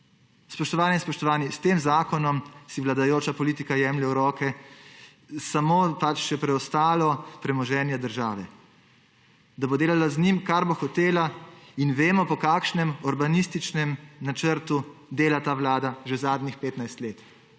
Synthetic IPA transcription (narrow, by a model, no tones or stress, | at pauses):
spɔʃt̪ɔʋaːnɛinspɔʃt̪ɔʋaːnist̪eːmzaːkɔnɔmsiʋlad̪ajoːt͡ʃapɔliːt̪ikajɛːmljɛɾɔːkɛ | samoːpat͡ʃʃɛpɾɛɔst̪aːlɔpɾɛmɔʒɛːnjɛd̪əɾʒaːʋɛ | d̪abod̪eːlalaznimkaɾboxɔt̪eːlainʋeːmɔpɔkaːkʃnɛmɔɾbanist̪it͡ʃnɛmnat͡ʃəɾt̪ud̪eːlat̪aːʋlaːd̪aʒɛzaːd̪nixpeːt̪najst̪leːt̪